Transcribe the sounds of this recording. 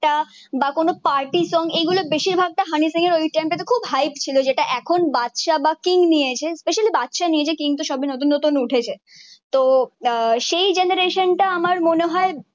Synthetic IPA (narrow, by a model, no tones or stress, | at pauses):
a | bakonopaɾʈisɔŋeɡulobeʃiɾbʱaɡ̚ʈaɦanisiŋeɾojʈemʈet̪okʰubɦajpt͡ɕʰilod͡ʑeʈaʔɛkʰonbat̪ʃabakiŋnijet͡ɕʰespeʃalibat̪ːʃaniet͡ɕʰekiŋt̪oʃɔbʱinot̪unːot̪unuʈʰet͡ɕʰe | t̪o | ʃejd͡ʑenaɾeʃonʈaamaɾmoneɦɔe